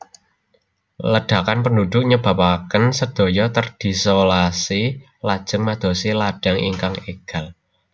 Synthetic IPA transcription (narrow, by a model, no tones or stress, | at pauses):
ləɖ̥a̤kanpənduɖ̪̥ʊk̚ɲəb̥a̤pakənsəd̪̥o̤jɔt̪ərd̪̥i̤solasi | lad̥ʒ̥ə̤ŋmad̪̥o̤silaɖ̥a̤ŋḭŋkaŋeɡ̥a̤l